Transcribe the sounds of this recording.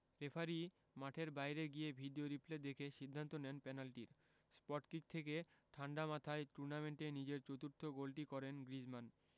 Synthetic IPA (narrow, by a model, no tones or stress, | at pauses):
ɾefʰaɾi | maʈʰeɾbajɾeɡiebʱiɖioɾipled̪ekʰeʃid̪ʱːant̪onɛnpɛnalʈiɾ | spɔʈkik̚t̪ʰekeʈʰaɳɖamat̪ʰaeʈuɾnameɳʈenid͡ʑeɾt͡ɕot̪uɾt̪ʰoɡolʈikɔɾenɡɾid͡ʑman